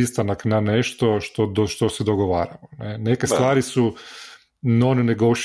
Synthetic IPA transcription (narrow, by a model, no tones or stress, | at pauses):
ist̪anaknaneʃt̪oʃt̪od̪oʃt̪osɛd̪oɡoʋa̰ːɾaʋonene̞ke̞st̪ʋaːɾisu | no̞nineɡoʃ